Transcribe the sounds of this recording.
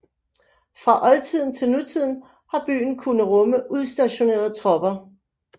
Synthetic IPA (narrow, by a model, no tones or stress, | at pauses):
fʁɑ̈ʔɒ̽lt͡sʰið̞̰ˠn̩t͡sʰe̝lnut͡sʰið̞̰ˠn̩ | hɑ̈b̥y̰ːn̩kʰunəʁɔ̽məʔuðˠsd̥æɕo̝ne̝̰ːɐðˠt͡sʰʁɒ̽b̥ɐ